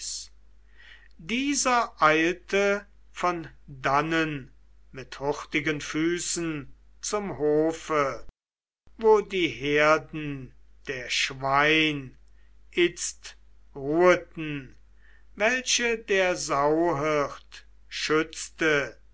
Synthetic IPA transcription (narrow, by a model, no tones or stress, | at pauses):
s | diːzɐʔaɪltə | fɔn | danənmɪthʊχtɪɡənfyːsn̩t͡sʊmhoːfə | voːdiːɦeɐdn̩d̥eːɐʃvaɪn | ʔɪt͡stʁuːətn̩ | vɛlʃədeːɐzaʊɦɪχt | ʃʏt͡stə